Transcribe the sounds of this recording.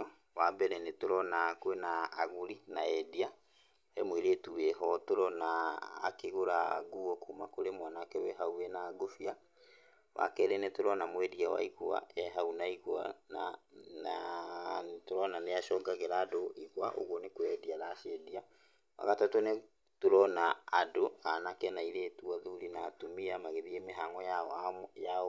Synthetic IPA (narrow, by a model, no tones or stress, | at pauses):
ɔ | wabɛɾɛnetoɾɔnakwenaːɣuɾinaɛdia | ɛmweɾetuwɛɦɔtoɾɔna̰ːkeɣoɾaɡuɔkuːmakoɾemwanakɛwɛɦauɛnaːɡofia | wa̰kɛɾɛnɛtoɾɔnamwɛdiawa̰iɣwa̰ɛɦaunaiɣwanana | toɾɔnaneaʃɔːɡaɣɛɾaːdoʔiɣwa̰ʔo̰ɣwɔnekwɛdiaɾaːʃedia | wa̰ɣatatone | toɾɔnaadoanakɛnaiɾetuaðuɾinaːtumiamaɣeðiemeɦaŋɔ | ja